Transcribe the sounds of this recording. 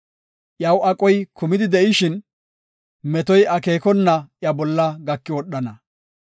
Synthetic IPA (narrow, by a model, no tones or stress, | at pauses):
ʔjɐwɐkʼɔjkʰʊmɪd̪ɪd̪ɛʔɪʃɪn | mɛt̪ɔjɐke̞ːkɔnːɐʔjɐbɔlːɐɡɐkːɪwɔɗːɐnɐ